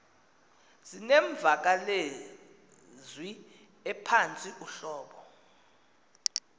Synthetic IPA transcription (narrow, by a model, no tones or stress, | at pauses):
z̥inɛɱb̪vʱak̬ale | zwi | ɛpʰant͡sʼiʔuɬɔːɓɔ